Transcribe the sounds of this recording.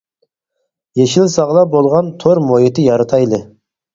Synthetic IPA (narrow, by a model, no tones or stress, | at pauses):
jeʃɪlsɑʁlˠɑbolˠʁɑnt̪ʰoɾmojɪt̪ɪjɑɾɑt̪ʰɑjlˠɨ